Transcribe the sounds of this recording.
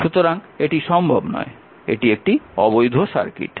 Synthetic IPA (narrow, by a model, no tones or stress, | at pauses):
ʃut̪oɾaŋeʈiʃɔmbʱobnɔ̰e | ḛʈiek̚ʈiɔbojd̪ʱoʃa̰ɾkḭʈ